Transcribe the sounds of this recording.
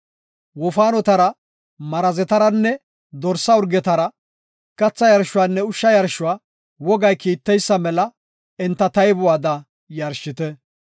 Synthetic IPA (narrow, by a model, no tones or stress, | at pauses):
wɔfaːnɔt̪ɐɾɐ | mɐɾɐzɛt̪ɐɾɐnːɛ | d̪ɔɾsːɐʊɾɡɛt̪ɐɾɐ | kɐt͡sːɐjɐɾʃʊaːnːɛʊʃːɐjɐɾʃʊwaː | wɔɡɐjkiːt̪ːɛjsːɐmɛlɐ | ɛnt̪ːɐt̪ɐjbʊwaːd̪ɐ | jɐɾʃɪt̪ɛ